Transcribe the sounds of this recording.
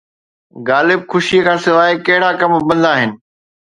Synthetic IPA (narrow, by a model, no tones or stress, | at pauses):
ɣaːlɪb̚xʊʃikʰãːsɪʋaːekɐɦɪɽakɐmbɐ̃nd̪aːɦɪnɪ̆